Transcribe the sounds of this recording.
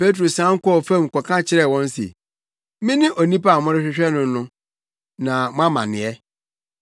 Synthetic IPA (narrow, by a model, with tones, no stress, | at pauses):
pe˦t̬ɾo˨sã˦ŋ̩˦kɔ˦˨fɛ̃˦m̩˨kɔ˨kʰã˦t͡ɕʰɪ˦ɾɛ˦˨wɔ̃˦n˦sḛ˨ | mɪ̃˦nɪ̃˦ʔo˨nĩ˦pa˦˨mʊ̃˦ɾɪ˦ɕᶣɪ˦ɕᶣɛ˦nʊ̃˦nʊ̃˦ | nã˨mʊ̃˦ã˦mã̰˨nɪ̃˨ɛ˦